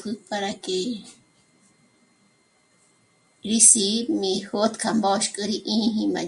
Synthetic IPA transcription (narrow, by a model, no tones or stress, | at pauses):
kɨpaɾake | ɾisimĩhot̪kʰambaʃkʼɨɾiʔĩːɦĩma̰